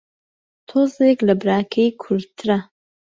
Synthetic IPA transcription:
tʰozejkʲʼlɨbraːkʲʰejkʰʊltʰra

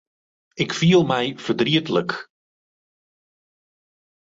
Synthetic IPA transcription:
ɪkfiəlˠmɛjv̥ərdriətələk

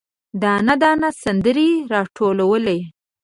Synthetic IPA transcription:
d̪anad̪ɑnasand̪əɾiɾɑʈʰolawəle

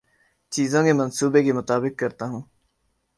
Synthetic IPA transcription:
t͡ʃiːzõːkemɐnsuːbekemʊt̪aːbɪkːɐɾt̪aɦũː

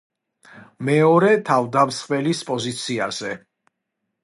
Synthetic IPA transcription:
mɛɔɾɛt̪ʰavd̪amsχvɛlispʼɔzit̪sʰiaz̥ɛ

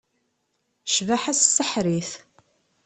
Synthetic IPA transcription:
ʃvaħassːəħɾiθ

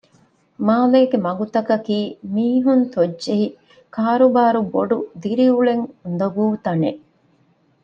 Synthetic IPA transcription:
maːleːɡemɐɡut̪ɐkɐkiːmiːɦunt̪odːʒeɦi | kʰaːɾubaːɾuboɖud̪iɾiuɭeŋund̪ɐɡuːt̪ɐneʔ

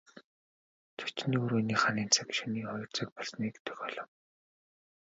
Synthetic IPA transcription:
t͡sʰʊ̥t͡ɕniːuɾuːniːχaniːnt͡sʰakʃiniːχɔjɞ̆rt͡sə̆ːk̚pɔɮsniːkt̪ʰɵ̥xɔːɮɔ̆w

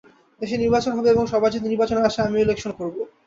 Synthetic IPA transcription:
d̪eʃ̬eɾniɾbat͡ɕonɦɔbeeboŋʃɔbʱad͡ʑit̪niɾbat͡ɕoneaʃaamielekʃonkoɾbo

